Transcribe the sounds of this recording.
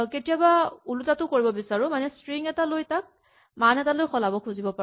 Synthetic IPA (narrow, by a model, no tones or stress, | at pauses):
ketijabaulutatʊkoɹibɔbisaɹʊ̃manɛstɹiŋɛtalojtak̚ | manɛtalojxɔlabɔkʰuzibɔpa